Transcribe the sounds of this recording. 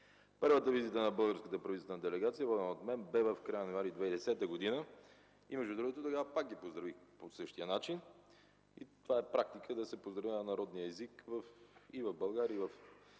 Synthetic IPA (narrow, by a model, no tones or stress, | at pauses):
pɤɾvət̪əvizit̪ənɐbɤlˠɡəɾskət̪əpɾɐvit̪t̪vɛnəd̪ɛlɛɡat̪sijəvɔd̪ɛnəot̪mɛnbɛvəfkɾajənnaɾid̪vɛjd̪ɛsɛt̪əɡod̪inə | imɛʒd̪ud̪ɾuɡot̪ot̪ɐɡavəpak̚ɡipozd̪ɾɐvixposɤʃt̪iənat͡ʃin | it̪ovaɛpɾak̚t̪ikʰəd̪ɐsɛpozd̪ɾɐvinɐnɐɾɔd̪nijəɛzikvəfivəvbəlˠɡaɾiəivəf